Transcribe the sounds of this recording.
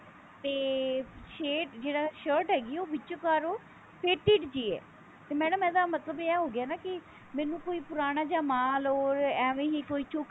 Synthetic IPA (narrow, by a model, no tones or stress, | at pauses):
t̪eːʃeːʈd͡ʒeːɽaːʃəɾʈɦɛːɡiːɛoːbɪt͡ʃːokaːɾoː | pʰeːʈiːʈd͡ʒiːɛ̰ː | t̪eːmɛːɽəmɛ̃ːd̪aːmət̪ləbeɛːɦoːɡɪaːnaːkɪ | mɛːnũːkoːiːpʊɾaːɽ̃aːd͡ʒaːmaːloːɾɛːʋẽːɦiːkoːiːt͡ʃʊk